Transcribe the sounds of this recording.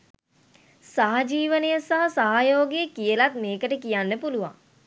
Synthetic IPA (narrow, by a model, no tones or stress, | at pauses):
saːad͡ʒiːʋənejəsaɦɐsaɦajoːɡeəkijəlat̪̚meːkəʈəkijanːəpuluʋa̰ŋ